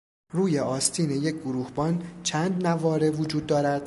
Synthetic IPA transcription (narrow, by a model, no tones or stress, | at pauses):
ɾuːje̞ʔɒːst̪ʰiːneje̞c̚ʰɡoɾuːhbɒːnt͡ʃʰænd̪nævɒːɾe̞vod͡ʒuːd̪ːɒːɾæd̪̥